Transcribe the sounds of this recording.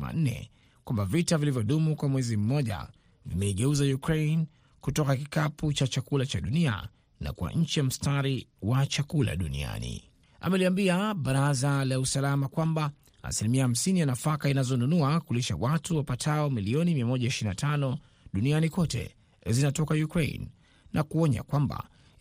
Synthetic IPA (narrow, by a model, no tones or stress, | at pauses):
a̰n̩nɛ̰ | kwambavitavilivjɔɗumukwamwɛzim̩ːɔʄa̰ | vimɛiɡɛuzajukɾejn | kutɔkakikaput͡ʃat͡ʃakulat͡ʃaɗunia̰ | na̰kua̰ɲ̩t͡ʃijam̩staɾiwat͡ʃakula̰ɗunḭa̰nḭ | a̰mɛliambiaɓaɾazalausalamakwamba̰ː | silimiaham̩sinijanafakainazɔnunuakuliʃa̰watuwapatʰaɔmiliɔnimiamɔʄaiʃiɾinatʰanɔ | ɗunianikɔtɛ̰ | zinatɔkajukɾḛinː | akuɔɲa̰kwamba̰